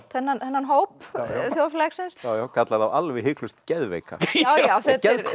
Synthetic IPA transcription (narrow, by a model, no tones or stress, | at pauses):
θɛnːanθɛnːanɦoːwpθjowflɛksɪnsjaːwjawkʰat̪laðavalvɪɦɪklʏst̪cɛðvḛːjka̰awjaθɛðɾ